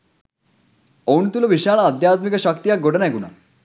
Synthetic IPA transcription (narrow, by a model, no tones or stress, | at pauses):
owɳt̪uloʋiʃaːɭaːd̪jaːt̪mikəɕʌkt̪ijakɡoɽənɛɡuna̰